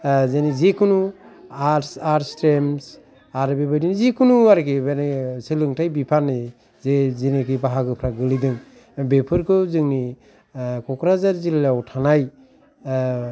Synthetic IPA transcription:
zenizekʰunuaaɾstɾems | aɾbebajdinizikʰɯnuaɾkibenisɯlɯŋtʰajbipʰanɯ | zezenikʰibaɦakɯpʰɾaɡɯlidɯŋ | bepʰɯɾkʰɯzɯŋni | kɔkʰɾazaɾzillawtʰanaj

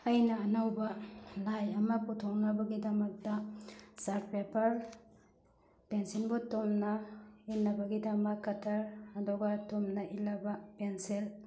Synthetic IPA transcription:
ɐjnɐːnɐwbɐlajɐmɐputʰoŋnɐbɐɡidɐmɐk̚tɐsaɾt̚pepʰɐɾ | pensinbutomnɐinːɐbɐɡidɐmɐkːɐtʰɐɾɐduɡɐtomnɐʔilːɐbɐpensil

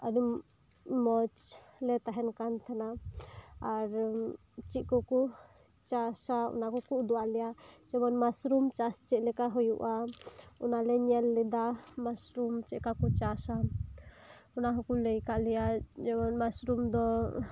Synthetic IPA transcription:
ani | mɔt͡ʃlɛt̪aɦɛnkant̪ʰanaː | ɾ | t͡ʃiʔ̪̚kɔku | t͡ʃasaɔ̰nakɔkuʔd̪ɔwaʔlɛjad͡ʒɛmɔnmasɾumt͡ʃast͡ʃɛʔlɛkaɦɔjuʔaɔnalɛɲɛlːɛd̪amasɾumt͡ʃɛʔkakɔt͡ʃasa | ɔnaɦɔkulɛjkaʔlɛjad͡ʒɛbɔnmasɾumd̪ɔ

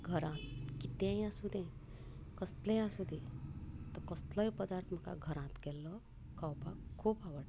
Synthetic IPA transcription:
ɡʱəɾãt̪kit̪ẽjãsud̪ʱẽ | kəst̪lẽjãsud̪ʱĩt̪ɔkɔst̪lɔjpəd̪aɾt̪ʰməka̰ɡʱəɾãt̪kɛlːɔ | kawpa̰kʰːuːbaʋəʈ

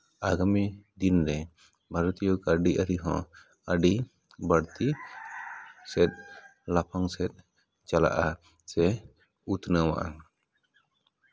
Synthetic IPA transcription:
aɡamid̪inɾɛ | bʱaɾɔt̪ijɔkaɾɖiʔaɾiɦɔ̃ | aɖi | baɽt̪i | sɛt̪̚ˀlapʰaŋsɛt̪̚ | t͡ʃala̰ʔa | sɛ | ut̪nawa̰ʔan

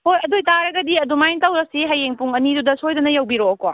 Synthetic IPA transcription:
hojɐdojtaɾɐɡɐdiɐdumajntawɾɐsiɦɐjeŋpuŋɐnidudɐsojdɐnɐjɐwbiɾoɐkoa̰

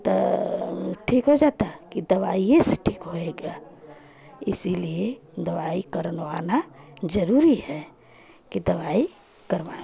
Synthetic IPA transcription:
t̪ɔ | ʈʰikɦod͡ʒat̪akid̪əʋaieseʈʰiːkɦoeɡa | ɪsilied̪əʋaikəɾnʋanad͡ʒəɾuɾiɦɛ | kid̪əʋai | kəɾʋa

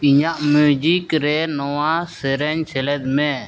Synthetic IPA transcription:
iɲaʔmud͡ʒikɾɛnɔwasɛɾɛɲsʰɛlɛd̪mɛ̃

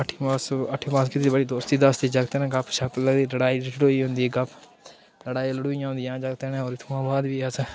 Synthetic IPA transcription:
əʈʰːiːpãːsəʈʰːiːpãːskɪt̪eːiːbəɽiːd̪oːst̪iːd̪əst̪iːd͡ʒəɡt̪eːnːɡəpʰʃəpləɡd̪iːləɽaːiːlləɽoːiːɦʊ̃nd̪iːɡəpʰ | ləɽaːiləɽoːijãːɦʊ̃nd̪ijãːd͡ʒəɡt̪eːnẽːɔːɾɪt̪ʰuːãːbaːd̪ʋiːəs

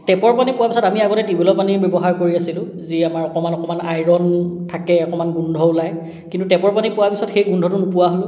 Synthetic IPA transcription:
tɛpɔɹpanipʊwapisɔtamiaɡɔtɛtibɔlɔpanibjɔbɔɦaɹkoɹiasilʊ̃ | ziamaɹɔkɔmanɔkɔmanajɹɔntʰakɛɔkɔmanɡundʱɔʊlaj | kintutɛpɔɹpanipʊwapisɔtxejɡundʱɔtʊnʊpʊwaɦolʊ̃

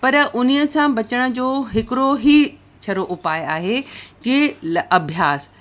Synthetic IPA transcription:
pɐɾʔʊnijə̆kʰãbɐt͡ɕəɽ̃ə̆d͡ʑoːɦɪkɪɾoɦi | t͡ɕʰɐɾoʔʊpaːjaːɦekiɐbʱjaːs

